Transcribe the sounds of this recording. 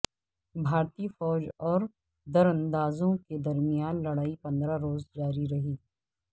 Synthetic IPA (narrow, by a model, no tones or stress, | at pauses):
bʱaːɾt̪iːfɔːd͡ʒɔːɾ | d̪ɐɾə̃nd̪aːzõked̪ɐɾmijaːnlɐɽaːipɐ̃nd̪ɾaɾoːzd͡ʒaːɾiɾɐɦiː